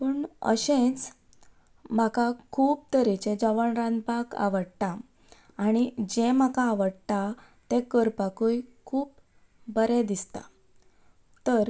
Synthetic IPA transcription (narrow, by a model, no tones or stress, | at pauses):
pəɳə̰ɕẽt͡s | m̤akakʰuːp̚t̪əɾet͡ɕed͡ʑəʋəɳɾãnd̪baka̰ʋəɽt̪ãː | ɽ̃id͡ʑẽm̤akaːʋəɽt̪a | t̪ekəɾpakujkʰuːp | bəɾɛd̪ist̪a̰ | t̪əɾ